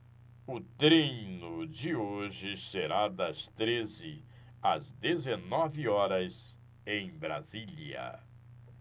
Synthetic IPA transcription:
ʊt̪ɾĩnʊd͡ʒɪoʒɪseɾad̪ɐst̪ɾezɪ | ɐzd̪ezenɔvɪɔɾɐz | ẽj̃bɾa̰ziliɐ̰

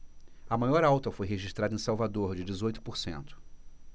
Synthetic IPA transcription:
ɐmajɔɾawt̪ɐfojɦeʒiʃt̪ɾad̪ɐẽsawvad̪oɾd͡ʒɪd͡ʒɪzojt̪ʊ̥poɾsḛ̃nt̪ʊ̥

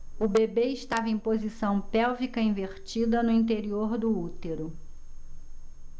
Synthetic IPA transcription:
ʊbebeɪʃt̪avɐẽpozisɐ̃w̃pɛwvikɐĩveɾt͡ʃid̪ɐnʊĩnt̪̬eɾioɾd̪ʊut̪eɾʊ

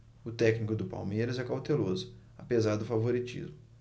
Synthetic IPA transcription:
ʊt̪ɛknikʊd̪ʊpa̰wmejɾɐzɛkawt̪elozʊ | apezaɾd̪ʊfavoɾit͡ʃḭzmʊ

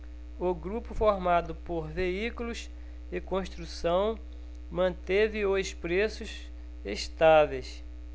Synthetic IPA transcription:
oɡɾupʊfoɾmad̪ʊpoɾveikulʊs | ɪkõst̪ɾusɐ̃w̃ | mɐ̃t̪evɪospɾesʊʃ | eʃt̪avejs

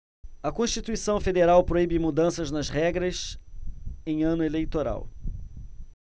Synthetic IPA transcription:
ɐkõʃt͡ʃit̪uisɐ̃w̃fed̪eɾawpɾoibɪmud̪ɐ̃sɐznɐzʁɛɡɾɐs | ẽj̃ɐ̃nʊelejt̪oɾa̰w

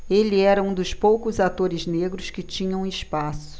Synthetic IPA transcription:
elɪɛɾɐũd̪ʊspowkʊzat̪oɾɪzneɡɾʊskɪt͡ʃĩɲɐ̃w̃ɪʃpasʊ̥

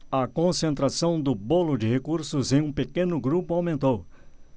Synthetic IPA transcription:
ɐkõsẽnt̪ɾasɐ̃w̃d̪ʊbolʊd͡ʒɪhekuɾsʊzẽj̃ũpekẽnʊɡɾupʊawmẽnt̪ow

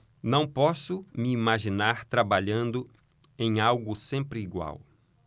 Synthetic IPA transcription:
nɐ̃w̃pɔsʊmɪimaʒinaɾt̪ɾabaʎɐ̃nd̪ʊ | ẽj̃awɡʊsẽmpɾɪːɡwa̰w

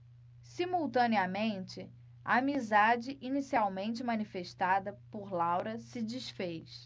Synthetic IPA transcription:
simuwt̪ɐ̃niɐmẽnt͡ʃɪ | a̰ːmizad͡ʒɪʔinisiawmẽnt͡ʃɪmɐnifeʃt̪ad̪ɐpoɾlawɾɐsɪd͡ʒisfejs

